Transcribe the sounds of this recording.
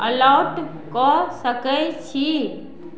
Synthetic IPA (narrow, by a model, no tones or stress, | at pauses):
əlaʊʈ | kɔsəkət͡ʃʰi